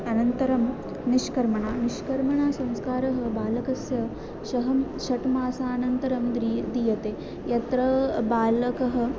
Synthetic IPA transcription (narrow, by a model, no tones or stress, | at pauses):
ɐnɐnt̪ɐɾɐm | niʃkɐɾmɐɳaːniʃkɐɾmɐɳaːsɐ̃mskaːɾɐɦɐ̆baːlɐkɐsjɐ | ʃɐɦɐmʃɐʈmaːsaːnɐnt̪ɐɾɐmd̪id̪iːjɐt̪eː | jɐt̪ɾɐbaːlɐkɐɦɐ̆